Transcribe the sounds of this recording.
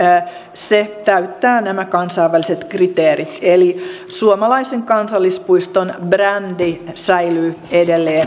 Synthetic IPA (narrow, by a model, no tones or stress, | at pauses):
set̪æyt̪ːæːnæmækɑnsɑiʋːæliset̪krit̪eːrit̪eli | suomɑlɑiseŋkɑnsɑlːispuist̪onbrændisæilyːedelːeːn